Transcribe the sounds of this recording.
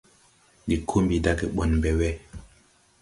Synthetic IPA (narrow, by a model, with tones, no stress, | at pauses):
di˨kʰo˦mbi˨da˦ke˨ɓɔ˨nbɛ˨wɛ˦